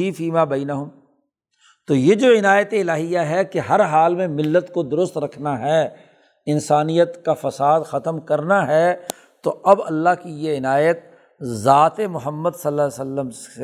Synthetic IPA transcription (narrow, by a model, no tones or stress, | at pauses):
ifiːmaːbɐɪnəɦʊm | t̪oːjed͡ʒoːɪnaːjət̪eɪlaːɦijaɦɛkeɦɐɾɦaːlmẽmɪlːət̪kod̪ʊɾʊst̪ɾɐkʰnaɦɛː | ɪnsaːnijət̪kafɐsaːd̪xɐt̪əmkɐɾnaɦɛː | t̪oʔɐbɐ̰lːaɦkijeɪnaːjət̪̚ | zaːt̪emʊɦəmːəd̪sɐlːaːsɐlːəms